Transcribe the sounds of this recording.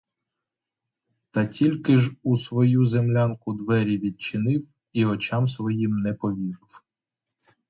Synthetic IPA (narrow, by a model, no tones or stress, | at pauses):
t̪ɑtʲilʲkɪʒusʋɔjuzemlʲankʊd̪ʋɛɾʲiʋʲid̪̚t͡ʃɪnɪw | iɔt͡ʃɑmsʋɔjimnɛpɔʋʲiɾw